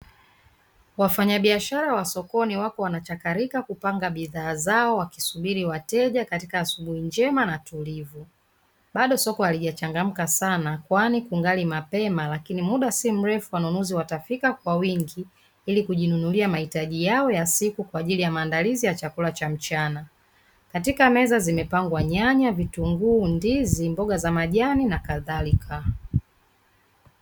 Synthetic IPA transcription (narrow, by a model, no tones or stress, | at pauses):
wafaɲaɓiaʃaɾawasɔkɔniwakɔwanat͡ʃakaɾikakupaŋɡaɓiðaːzaɔwaki̥suɓiɾiwatɛʄakatikaːsuɓuhiɲd͡ʒɛmanatulivu | ɓaɗɔsɔkɔhaliʄat͡ʃaŋɡam̩kasanakwanikuŋɡalimapɛmalakinimuɗasim̩ɾɛfuwanunuziwatafikakwawiŋɡi | ilikuʄinunuliamahitaʄijaɔjasikukwaːʄilijamaːndalizijat͡ʃakulat͡ʃam̩t͡ʃana | katikamɛzazimɛpaŋɡwaɲaɲavituŋɡuːndizimbɔɡazamaʄaninakaðalikʰa